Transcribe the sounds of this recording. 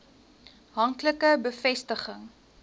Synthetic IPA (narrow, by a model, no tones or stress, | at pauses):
ɦɐŋkləkəbəfɛstəχəŋ